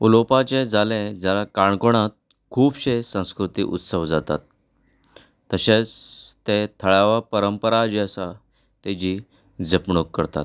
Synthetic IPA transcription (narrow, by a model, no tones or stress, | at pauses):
ulopat͡ɕed͡zʱalẽd͡zjalakaɳkoɽ̃at̪̚ | kʰuːbɕesə̃w̃skɾut̪ḭːʔṵt̪səʋd͡zat̪a̰t̪̚ | əɕet͡st̪et̪ʰəɭaʋapəɾəmpəɾad͡ʑeəsa | t̪ed͡ʑi | d͡zəpɳokːəɾt̪a̰t̪